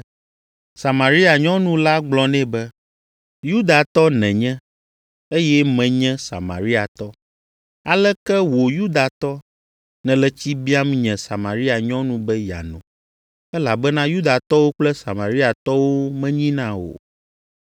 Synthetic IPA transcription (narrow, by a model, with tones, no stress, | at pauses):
sa˨ma˨ɾi˦a˨ɲɔ̃˦nũ˦la˦ɡ͡blɔ˦nɛ̃˦bɛ˦ | ju˦d̪a˨t̪ɔ˦nɛ̃˨ɲɛ̃˦ | e˦jɛ˦mɛ̃˨ɲɛ̃˦sa̰˨mã̰˨ɾi˦a˨t̪ɔ˦ | a˨lɛ˦kɛ˦wo˨ju˦d̪a˨t̪ɔ˦ | nɛ̃˨lɛ˦t͡ɕi˦bi˦a˦mĩ˦ɲɛ̃˨sa˨ma˨ɾi˦a˨ɲɔ̃˦nũ˦bɛ˦ja̰˨nṵ̃˨ | ɛ˦la˨bɛ˦nã˦ju˦d̪a˨t̪ɔ˦wo˦k͡plɛ˦sa˨ma˨ɾi˦a˨t̪ɔ˦wo˦mɛ̃˦ɲĩ˦nã˦wo̰˨